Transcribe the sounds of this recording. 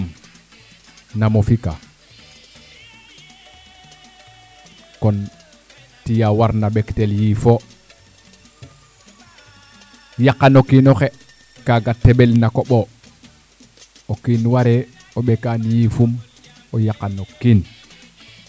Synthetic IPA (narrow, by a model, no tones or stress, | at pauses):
m | namofika | kɔn | tijawaɾnabekteljifo | jakːanokːinoxe | kaɡatːeɓelnakoɓo | okinwaɾe | oɓekanjifum | ojakanokːin